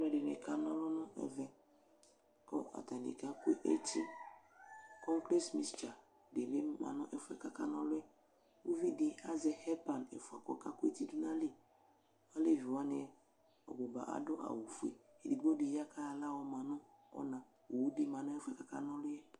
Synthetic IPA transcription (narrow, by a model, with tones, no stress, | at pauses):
lɛ˨dɪ˨nɪ̰˨ka˦nɔ̃˦lɔ˦nɔ̃˦ɛ̰˨vɛ˨ | kɔ̰˦ʔa̰˨ta˨nḭ˨ka˦ku˦ḛ˦ʔe˦tʰi˦ | kɔ̃˦ŋklɛ˦smi˦st͡ʃa˨ | de˨ne˦ma̰˨nʊ˦ʔɛ˦fʊ˦ɛ̰˨ka˦ka˦nɔ˦lʊ˦ɛ˦ | u˦vi˦di˨a˦zɛ˦hɛ˦pa˨nḛ˨fa̰˨kɔ̰˦ka˦kʊ˦ḛ˦ti˦du˦na˦li˦˨ | a˦le˦˨vi˨wa˦nɪ˨ɛ˦ | ɔ̰˨ɡ͡bɔ˨ba̰˨ʔa̰˨dʊ˦ʔa̰˨wu˨fu˦ḛ˨ | e˨di˨ɡ͡bo˦di˨ja˦kʰa˦a˨la˦wɔ˨ma˨nʊ˦ | ɔ̰˦nã˨ | o˨wu˦di˦ma˨nɔ̃˦ɛ˦fɛ˨ka˦ka˦nɔ˦lʊ˦jɛ˦